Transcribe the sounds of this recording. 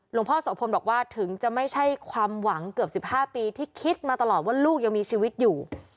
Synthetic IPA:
lo˧ŋpʰɔː˥˩sa˨˦pʰo˧mbɔː˨˩kwaː˥˩t̪ʰɯ˩˦ŋt͡ɕa˨˩ma˥˩jt͡ɕʰa˥˩jkʰwaː˧mwa˩˦ŋkɯ˨˩əp̚si˨˩p̚haː˥˩piː˧t̪ʰiː˥˩kʰi˦˥t̪̚maː˧t̪a˧lɔː˨˩waː˥˩luː˥˩k̚ja˧ŋmiː˧t͡ɕʰiː˧wi˦˥t̪̚juː˨˩

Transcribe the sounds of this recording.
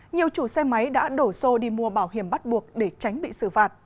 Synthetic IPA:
ɲi˨˩əwt͡ɕu˧˩sɛ˧ma˨˦jɗa̰ː˧˥ɗo˧˩so˧ɗi˧mu˧əɓaː˧˩wɦi˧˩əmɓt̚ɓu˨˩ək̚ɗe˧˩t͡ɕa˨˦jŋ̟ɓḭ˧˨sɨ˧˩faː˨˩t̚

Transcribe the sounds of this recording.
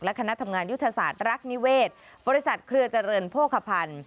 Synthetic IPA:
k̚lɛ˦˥kʰa˧na˦˥t̪ʰa˧mŋaː˧nju˦˥t̪ʰːa˧saː˨˩t̪̚ɾa˦˥k̚ni˦˥weː˥˩t̪̚ | bɔː˧ɾi˦˥sa˨˩t̪̚kʰɾɯ˧ɐt͡ɕa˧ɾɤː˧npʰoː˥˩kʰːa˧pʰa˧n

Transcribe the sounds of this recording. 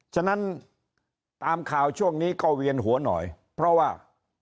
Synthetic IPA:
t͡ɕʰa˧na˦˥n | t̪aː˧mkʰaː˨˩wt͡ɕʰu˥˩əŋniː˦˥˩kɔ˥˩wi˧ənɦu˩˦ɐnɔ̰ː˨˩j | pʰɾɔ˦˥waː˥˩

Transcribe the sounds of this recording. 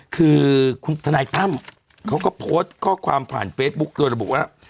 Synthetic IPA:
kʰɯː˧kʰt̪ʰa˧naː˧jt̪a˦˥˨m | kʰa˨˦wkɔː˦pʰoː˦˥t̚kɔː˦˥kʰwaː˧mpʰa̰ː˨˩nfeː˦˥t̪̚ɓu˦˥k̚ɗu˧ɾa˧bu˨˩k̚ʔa˦˥

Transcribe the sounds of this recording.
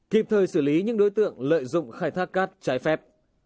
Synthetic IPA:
ki˨˩p̚t̪ʰəː˨˩jsɨː˧˩li˨˦ɲɨ˧˥ŋɗo˨˦jt̪ɨ̰˧˨əŋlə̰ː˧˨jzʊ̰˧˨ŋ͡mxaː˧˩jt̪ʰa˦˥k̚kaː˦˥t̚t͡ɕaː˨˦jfɛ˦˥p̚

